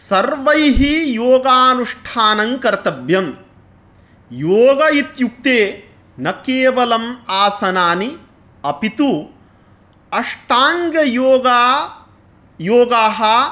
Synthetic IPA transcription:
sɐɾʋɐjɦijoːɡaːnuʂʈʰaːnɐŋkɐɾt̪ɐbjɐm | joːɡɐit̪juk̚t̪eː | nɐkeːʋɐlɐmaːsɐnaːni | ɐpit̪u | ɐʂʈaːŋɡjɐjoːɡa | joːɡaːɦɐ

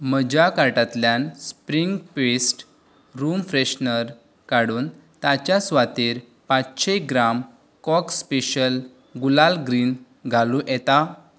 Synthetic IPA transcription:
məd͡ʑakaʈat̪ljanspɾiŋɡpesʈ | ɾumfɾeɕnəɾ | kaɽuːn | t̪at͡ɕjasʋat̪iːɾ | pat͡sɕeɡɾam | kɔkspeɕəl | ɡulalɡɾiːn | ɡʱalũʔɛt̪a

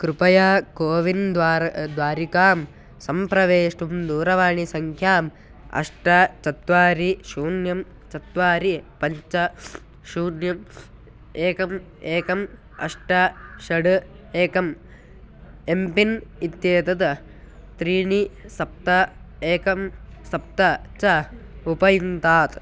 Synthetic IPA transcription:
kɾupɐjaːkoːʋind̪ʋaːɾd̪ʋaːɾikaːm | sɐmpɾɐʋeːʂʈumd̪uːɾɐʋaːɳisɐŋkʰjaːm | ɐ̰ʂʈɐt͡ʃɐt̪ʋaːɾiʃuːnjɐm | t͡ʃɐt̪ʋaːɾipɐɲt͡ʃɐ | ʃuːnjɐm | eːkɐm | eːkɐm | ɐ̰ʂʈɐʃɐɽeːkɐm | empinit̪jeːt̪ɐt̪ɐ | t̪ɾiːɳisɐp̚t̪ɐ | eːkɐmsɐp̚t̪ɐt͡ʃɐupɐjint̪aːt̪

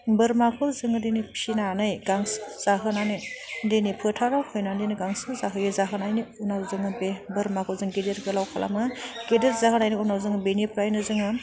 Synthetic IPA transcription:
bɯɾmakʰɯzɯŋɯdenipʰinanɯjɡaŋsɯ̥z̥aɦɯnanɯjdenipʰɯtʰaɾawhɯjnandejnɯɡaŋsɯzaɦɯjɯzaɦɯnajniunawzɯŋɯbebɯɾmakʰɯwzɯŋɡedeɾɡɯlawkʰala̰mɯɡ̥edeɾzaɦɯnajniunawzɯŋbenipʰɾajnɯzɯŋɯ

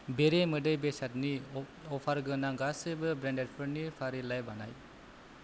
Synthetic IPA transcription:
beɾemɯdɯjbesat̪̚ni | ɔpʰaɾɡɯnaŋɡasɯbɯbɾɛndeɾ̚pʰɯɾnipʰaɾilajbana̰j

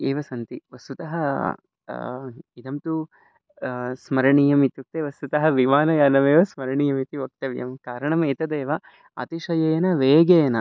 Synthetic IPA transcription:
eːʋɐsɐnt̪iʋɐst̪ut̪ɐɦɐ | id̪ɐmt̪u | smɐɾɐɳijɐmit̪juk̚t̪eʋɐst̪ut̪ɐɦɐʋiʋaːnɐjaːnɐmeːʋɐsmɐɾɐɳiːjɐmit̪iʋok̚t̪ɐʋjɐ̰mkaːɾɐɳɐmeːt̪ɐd̪eːʋɐ | ɐ̰t̪iʂɐjɐjɐnɐʋeːɡejɐnɐ

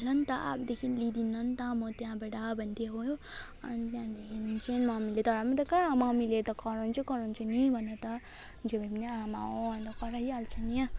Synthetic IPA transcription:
lʌnt̪ʌʔa̰p̚d̪ekʰinlid̪inːʌnt̪ʌmot̪jãbeʈabʱʌnt̪ʰiɦojo | ʌ̰nit̪jãd̪ekʰint͡ʃʰinmamilet̪ʌɾamit̪ʌkaɾamawmileɾt̪ʌkʌɾont͡ʃʰukʌɾont͡ʃʰunibʱʌneɾt̪ʌ | d͡ʒobebiniamaʌnt̪ʌkʌɾaɦialt͡ʃʰʌnia

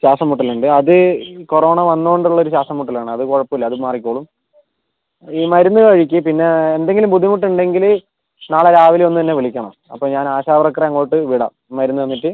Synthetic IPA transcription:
ɕaːsɐmːuʈːɐluɳɖɨɐðɨko̞ro̞ːɳɐʋɐnːoɣɳɖuɭːɐo̞ɾuɕaːsɐmːuʈːilaːɳɨɐðɨkoɻɐpːɐmilːɐðɨmaːrik̬ʲːoːɭum | iːmɐɾunːukɐɻikʲːɨpinːe̞ːnd̪e̞ŋɡilumpud̪ʱːimuʈ̬ːuɳɖe̞ŋɡil | naːɭeɾaːʋileonːut̪ɐnːe̞ʋiɭikʲːɐɳɐ̰m | ɐ̰pːoɲaːnaːɕaːbɐrɐkːrɐɐŋːo̞ːjiʈːɨʋiɽɐ̰ | mɐɾunːuʋɐnːiʈːɨ

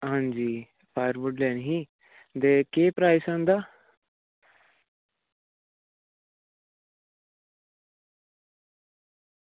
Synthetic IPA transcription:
ɦãnd͡ʒiː | fʰaːjəɾʋuɖlɛːnɦiː | d̪ekeːpɾaːjsãnd̪a

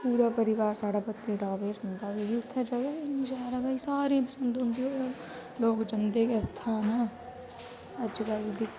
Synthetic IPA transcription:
puːɾapəɾɪʋaːɾsaːɽaːpət̪ːiɖaːʋeɾənd̪abeɦiʊt̪ʰːəd͡ʒɐɡeeniʃaːɾabʱaːisaːɾẽpəsə̃nd̪ɦʊ̃nd̪iɦoːo | loːkd͡ʒənd̪ekeʊt̪ʰːana | əd͡ʒkɐld̪i

